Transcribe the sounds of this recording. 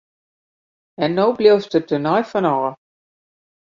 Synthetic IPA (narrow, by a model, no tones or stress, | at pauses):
ɛnːoːblɪwstətənɔjfɔnɔː